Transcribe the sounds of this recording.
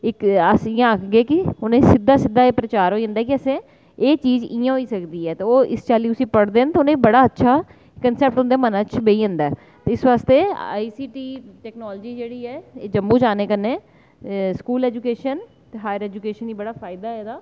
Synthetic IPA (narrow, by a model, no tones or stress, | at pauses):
ɪkəsɪjãːəkʰɡeːkɪʊnẽːsɪd̪ːaːsɪd̪ːaːeːpɾət͡ʃaːɾɦoːiə̃nd̪aːkɪəsẽː | eːt͡ʃiːzijãːɦoiːsəkd̪iːɛːt̪eːoːʔɪst͡ʃaːliːʊsĩːpəɽd̪eːnt̪eʊnẽːbəɽaːətːʃʰaː | kənsɛːp̚ʈɦʊ̃nd̪eːmənãːt͡ʃbeiːə̃nd̪ɛː | t̪eːɪsʋaːst̪eːa̰ːiːsiːʈiːʈɛːknoːld͡ʒiːd͡ʒeːɽiːɛːeːd͡ʒəmːũːd͡ʒaːneːkənẽː | skuːlɛːd͡ʒuːkeːʃən | t̪eːɦaːjəɾɛːd͡ʒukeːʃəniːbəɽaːfʰaːɪd̪aːɛːd̪aː